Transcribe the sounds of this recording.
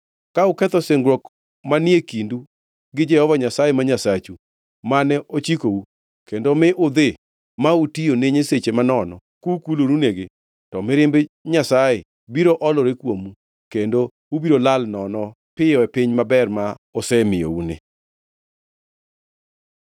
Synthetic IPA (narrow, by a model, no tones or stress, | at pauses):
kaukɛt̪ɔseŋɡɾwɔk | manjekindu | ɡɪd͡ʒɛhɔvaɲasajemaɲasat͡ʃu | manɛʔot͡ʃikou | kendomɪʔʊd̪e | mautijoneɲeset͡ʃemanɔnɔ̰ | kukuloɾuneɡe | tɔmɪɾɪmbɲasaje | biɾoʔɔlɔɾekwomu | kendo | ubiɾolalnɔnɔ | pɪjɔɛpɪɲmabɛrma | ɔsɛmɪjo̰unɪ̰